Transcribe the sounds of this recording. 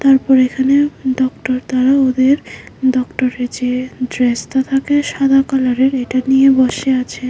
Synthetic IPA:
t̪aɾpɔɾekʰaneɖɔkʈoɾt̪aɾaod̪eɾɖɔkʈoɾed͡ʑed̪ɾest̪at̪ʰakeʃad̪ʱakalaɾeɾeʈanijebɔʃeat͡ɕʰe

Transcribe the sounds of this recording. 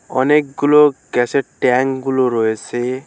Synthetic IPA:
ʌ̰nek̚ɡuloɡaseʈ̚ʈaŋɡuloɾoese

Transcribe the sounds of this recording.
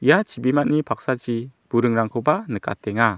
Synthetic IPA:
ijat͡ʃibimaʔnipʰak̚sad͡ʒib̥uɾɯŋɾaŋkʰɔbanɨkʰʼa̰tɛŋa

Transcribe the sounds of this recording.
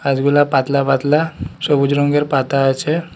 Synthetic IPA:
ad͡zɡulapat̪labat̪lasəbud͡ʑɾoŋɡeɾpat̪aːjt͡ɕʰe

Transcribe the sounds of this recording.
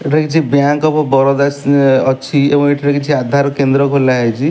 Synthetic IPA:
eʈʰekit͡ʃʰibjaŋkɔpɔbɔɾɔd̪asɔt͡ʃʰiebɔ̃ŋeʈʰɔʈekit͡ʃʰiad̪ʱaɾɔkend̪ɾɔkɔlaɦet͡ʃʰi

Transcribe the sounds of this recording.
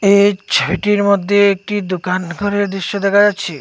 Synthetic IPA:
et͡ɕʰojʈiɾmod̪ʱːeek̚ʈid̪okanɡʱɔɾeɾd̪ɾiʃːod̪ɛkʰad͡ʑat̪ːɕʰe

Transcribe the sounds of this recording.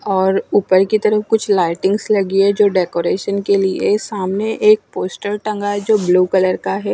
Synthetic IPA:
ɔːɾuːpəɾkit̪ɐɾəfkʊt͡ʃʰlaːɪʈɪ̃ŋɡslɐɡiɛd͡ʒoːɖeːkoːɾeːʃənkeliesaːmneʔeːk̚poːsʈəlʈɐ̃ŋɡaɦɛd͡ʒoːbluːkɐləɾkaɦɛː

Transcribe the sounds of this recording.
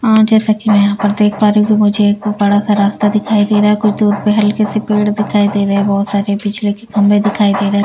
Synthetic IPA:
ɦãːd͡ʒɛːsakimɛ̃jɐɦãpɐɾd̪eːkʰpaːɾɦũkimʊd͡ʒʱekbɐɽasaɾaːst̪ad̪ɪkʰaːid̪eːɾaɦɛkʊt͡ʃʰd̪uːɾpeɦɐlkesepeːɽd̪ɪkʰaːid̪eːɾɐɦɛbɔːt̪saːɾepɪt͡ʃʰlekekʰɐ̃mbẽd̪ɪkʰaːid̪eːɾɐɦɛ

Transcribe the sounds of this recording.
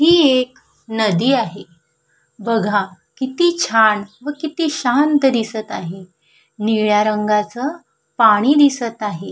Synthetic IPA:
ɦiːek | nəd̪iːaɦe | bəɡʱakit̪iːt͡ɕʰaɳʋəkit̪iːɕant̪d̪isət̪aɦe | niɭjaɾəŋɡat͡sə | paɽ̃iːd̪isət̪aɦe

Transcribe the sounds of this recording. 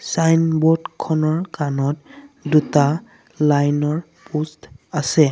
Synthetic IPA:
sajnbɔdkʰɔnɔɹkanɔtduta | lajnɔɹ | pustasɛ

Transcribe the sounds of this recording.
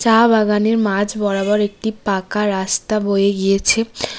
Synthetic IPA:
t͡ɕabaɡaneɾmad͡ʑʱbɔɽabɔɾek̚ʈipakaɾast̪abojeɡijet͡ɕʰe

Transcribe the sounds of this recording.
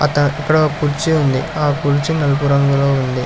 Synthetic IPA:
ɐ̰t̪ɐikːɐɽopuɾt͡ʃiund̪iaːkuɽt͡ʃːinɐlpuɾɐŋɡuloːund̪i

